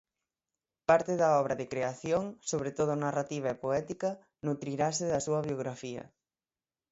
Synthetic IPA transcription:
paɾt̪ɪðɐɔβɾɐðɪkɾeaθjoŋsoβɾet̪oð̞ʊnarat̪iβ̞ɐepoɛt̪ikɐ | nut̪ɾiɾasɪðɐsuɐβjoɣ̞ɾafiɐ̰

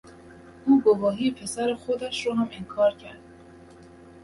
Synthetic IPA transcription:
ʔuːɡovɒːɦiːpʰe̞sæɾexod̪æʃɾoɦæmeŋkʰɒːɾcʰæɾd̪̥̚

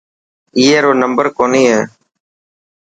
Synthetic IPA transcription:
iːeːɾoːnəmbəɾkoːniːɦɛː

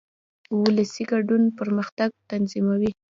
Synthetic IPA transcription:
wʊlasiɡaɖunpəɾməxt̪aɡ̚t̪anzimawi

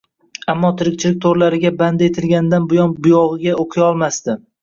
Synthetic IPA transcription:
amːɒt̪ʰɪɾɪkʲt͡ʃʰɪlɪk̚ʲt̪ʰoɾlaɾɪɡʲaband̪et̪ʰɪlɡʲanɪd̪anbʊjɒnbʊjɒʁɨɡʲaoqʰɨjɒlˠmast̪ɪ

